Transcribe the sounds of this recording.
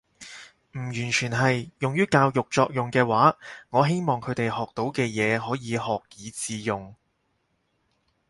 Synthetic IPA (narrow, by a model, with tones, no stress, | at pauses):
m̩˨˩jyː˨˩nt͡ʃʰyː˨˩nɦɐ˨jːʊ˨ŋjyː˥kaː˧wjʊ˨k̚t͡sɔː˧k̚jʊ˨ŋkɛː˧waː˨˥ŋɔː˨˧ɦe˥jmɔː˨ŋkʰɵ˨˧ɥt̪e˨jhɔː˨k̚t̪o˨˥wkɛː˧jɛː˨˧ɦɔː˨˥jiː˨˧hɔː˨k̚jiː˨˧t͡siː˨˧jʊ˨˩ŋ